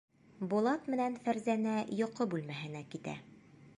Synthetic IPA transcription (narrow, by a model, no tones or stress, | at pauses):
bulˠɑt̪mɘ̆nænfæɾzænæjŏqɤbʉlmæɦɘ̆nækit̪æ̰